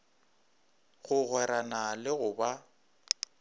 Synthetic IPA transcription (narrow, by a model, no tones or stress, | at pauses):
ɣʊɣwɛɾanalɪɣʊba